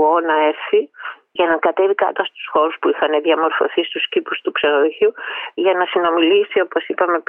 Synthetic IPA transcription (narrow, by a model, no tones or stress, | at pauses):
onɐe̞ɾθi | ʝɐnɐkɐt̪e̞vikɐ̰t̪oɐst̪u̥sxo̞ɾuspuixɐneðijɐmo̞ɾfo̞̰θist̪uscipust̪ukseɾoʝuʝɐnɐsino̞milisio̞po̞sipɐme̞